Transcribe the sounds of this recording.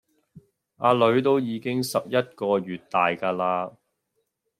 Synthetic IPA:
ʔa̰ː˨˧lɵ˨˧ɥt̪o˥wjiː˨˧kɪ˥ŋsɐ˨p̚jɐ˥t̚kɔː˧ɥyː˨t̚t̪aː˨jkaː˧laː˧

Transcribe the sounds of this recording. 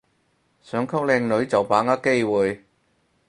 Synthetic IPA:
sœː˨˥ŋkʰɐ˥k̚lɛː˧ŋnɵ˨˥ɥt͡sɐ˨˩wpaː˨˥ŋaː˥ke˥˧jwuː˨j

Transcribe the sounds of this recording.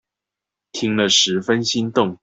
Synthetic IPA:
t̪ʰi˥ŋlə˨ʂɻ̩˧˥fə˦˥nɕi˥nt̪ʊ˥˨ŋ

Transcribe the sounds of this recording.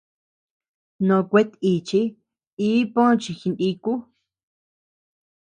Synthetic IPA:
nõ˧kʷe˧˦t̪i˨t͡ʃi˦ | i˦põ˦˧t͡ʃi˧xi˧ndi˧ku˦

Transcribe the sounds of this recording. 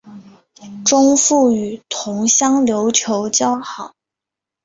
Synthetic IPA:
ʈ͡ʂʊ˥ŋfu˥˩y˨˩t̪ʰʊ˧˥ŋɕjɑ˥ŋljo˧˥ʊt͡ɕʰjo˧˥ʊt͡ɕjɑ˥ʊxɑ˨˩˦

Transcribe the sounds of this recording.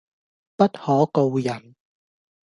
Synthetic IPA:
pɐ˥t̚hɔː˨˥ko˧wjɐ˨˩n

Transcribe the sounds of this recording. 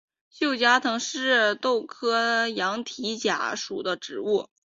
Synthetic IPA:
ɕjo˥˩ʊt͡ɕja˥t̪ʰɤ˧˥ŋʂɻ̩˥˩t̪o˥˩ʊkʰɤ˥jɑ˧˥ŋt̪ʰi˧˥t͡ɕja̰˧˥ʂu˨˩d̪ə˦ʈ͡ʂɻ̩˨˩u˥˩

